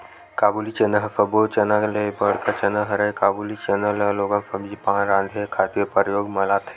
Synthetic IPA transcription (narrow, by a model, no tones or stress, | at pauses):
kaːbuːlit͡ʃenəɦfɐbot͡ʃɐnaklebɐɽkat͡ʃɐnəɦɐɾɐjkaːbuːlit͡ʃenəlɐloːɡəmfɐbd͡ʒipãːnɾãːnd̪ʱekʰaːt̪ijpəɾjoːɡmɐlaːt̪ʰe̥